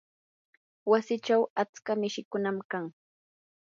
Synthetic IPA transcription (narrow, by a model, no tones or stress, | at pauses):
wasɪt͡ʃawat͡skamɪʃɪkʊnamkaŋ